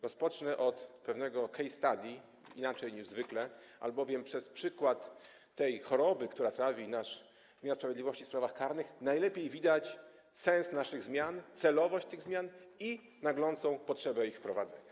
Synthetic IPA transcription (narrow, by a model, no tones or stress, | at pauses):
ɾɔspɔt͡ʂnɛʔɔt̪pɛvnɛɡɔkɛjst̪ad̪ʲji | ḭnat͡ʂɛjɲiʐzvɘklɛ | ʔa̰lbɔvʲjɛmpʂɛspʂɘkwat̪ː | ɛjxɔɾɔbɘkt̪uɾat̪ɾafʲinaʂ | mʲanspɾavʲɛd̪lʲivɔɕt͡ɕispɾavaxkaɾnɘxnajlɛpʲjejvʲid̪at͡ɕ | sɛ̃ñsnaʂɘɣzmʲjant̪sɛlɔvɔɕt͡ɕt̪ɘɣzmʲjani | naɡlɔnt̪sɔ̃w̃pɔtʂɛbɛixfpɾɔva̰d̪zɛɲa